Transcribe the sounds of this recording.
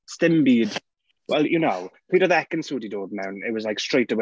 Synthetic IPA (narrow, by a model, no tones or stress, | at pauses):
stɪ̃mbiːd̥ | wɛlˠjənoʊpʰiːɾəðɛkə̃nsuːdidɔːbnãʊ̃nɪ̰t̚wɒzlaɪkstɹ̥eɪtəwe